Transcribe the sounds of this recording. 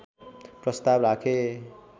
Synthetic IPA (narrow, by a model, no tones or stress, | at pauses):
prʌst̪abrakʰe